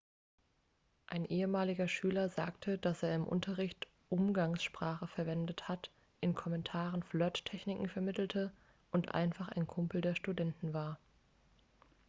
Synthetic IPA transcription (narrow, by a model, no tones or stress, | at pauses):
ʔaɪnʔeːəmaːlɪɡɐʃyːlɐza̰ːktʰəd̥asʔeːɐɪmʔʊ̰ntʰɐʁɪçt | ʔʊmɡaŋsʃpʁ̥aːχəfɛɐvɛndəthat | ʔɪnkʰɔmɛntʰaːʁənflœttʰːɛçnɪkŋ̩fɛɐmɪtl̩tʰə | ʔʊntʔa̰ɪnfaχa̰ɪnkʰʊmpl̩deːɐʃtudɛntn̩vaːɐ